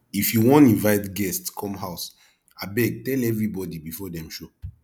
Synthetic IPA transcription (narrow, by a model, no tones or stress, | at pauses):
ifjuwɔ̃ntĩnvaɪtɡɛstkʰɔ̃mɦaʊs | abɛɡ̚tɛlɛvɹibɔdibifɔdɛ̃mʃo